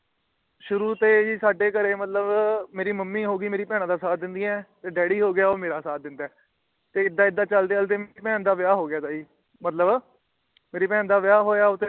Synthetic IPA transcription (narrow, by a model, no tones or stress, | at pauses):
ʃʊɾuːt̪eːd͡ʒiːsaːɖeːkəɾeːmət̪ləbmeːɾiːməmːiːɦoːɡiːmeːɾiːpɛːɽ̃ãːd̪aːsaːt̪̚d̪ɪnd̪ĩːɛːt̪eːɖɛːɽiːɦoːɡɪjaːoːmeːɾaːsaːt̪̚d̪ɪnd̪aː | t̪eːɪd̪ːãːɪd̪ːãːt͡ʃəld̪eːəlt̪eːmeːiːpɛ̃ːnd̪aːʋɪjaːɦoːɡɪjaːt̪aːiː | mət̪ləb | meːɾiːpɛ̃ːnd̪aːʋɪjaːɦoːjaːʊt̪ːe